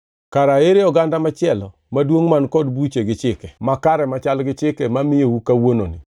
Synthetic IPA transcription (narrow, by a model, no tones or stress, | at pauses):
kaɾaeɾeɔɡandamat͡ʃɪɛlɔ | madwoŋmankɔdbut͡ʃeɡɪt͡ʃɪkɛmakaɾɛmat͡ʃalɡɪt͡ʃɪkɛmamɪjowukawononɪ